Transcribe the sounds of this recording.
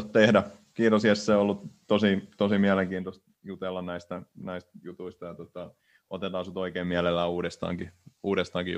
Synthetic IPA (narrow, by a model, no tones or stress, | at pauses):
t̪t̪ehdæ | kiːt̪osiæsseˑolːut̪t̪osit̪osimiæleŋkiːnt̪ost̪ | jut̪elːɑnnæist̪ænæist̪jut̪uist̪ɑjɑt̪ot̪ɑ | ʔo̰t̪et̪ɑːsut̪oikeːmmiælelːæːuːɾest̪ɑ̰ːŋkiuːɾest̪ɑːŋki